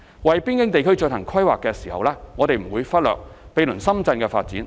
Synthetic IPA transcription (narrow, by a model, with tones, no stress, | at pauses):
wɐ˨jpiː˥nkɪ˥ŋt̪e˨jkʰɵ˥ɥt͡ʃɵ˧nhɐ˨˩ŋkʰwɐ˥jwaː˨kːɛː˧siː˨˩hɐ̰˨wlɛː˥ŋɔː˨˧t̪e˨jm̩˨˩wuː˨˧jfɐ˥t̚lœː˨k̚pe˨˧jlɵ˨˩nsɐ˥mt͡sɐ˧nkɛː˧faː˧t̚t͡sḭː˨˥n